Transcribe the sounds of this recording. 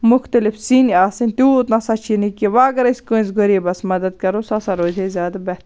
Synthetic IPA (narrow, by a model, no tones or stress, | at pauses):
mʊxt̪ɐlɪfsiniaːsinʲt̪ʲuːt̪nasɐt͡ʃʰinikiʋaːɡɐɾɐsʲkonsɡoɾibɐsmɐd̪ɐd̪̚kɐɾosɐsɐɾoːzezʲjaːd̪abɛt̪